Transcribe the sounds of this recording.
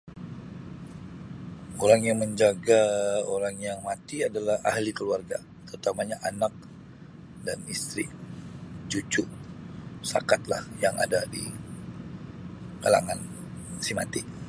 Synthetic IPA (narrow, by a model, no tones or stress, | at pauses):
oɾaŋjaŋməɲd͡ʒaɡaoɾaŋjaŋmat̪iadalaha̰hlikəluarɡa̰ | t̪əut̪amaɲaʔanak̚ | danist̪ɾḭ | d͡ʒut͡ʃʊ | sa̰kat̪la̰hjaŋa̰dadḭ | kala̰ŋan | sima̰t̪i